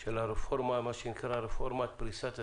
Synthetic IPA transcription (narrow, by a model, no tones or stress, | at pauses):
t͡ʃelaɾeformamaʃinkʰəɾaɾefoɾmat̪̚pɾisat̪